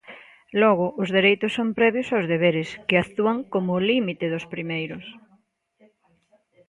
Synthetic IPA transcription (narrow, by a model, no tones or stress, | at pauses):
lɔɣ̞ʊʔʊzðeɾejt̪ʊsːompɾɛβjʊsawzðeβ̞eɾɪskɪat̪uaŋkomʊlimit̪ɪðʊspɾimejɾʊs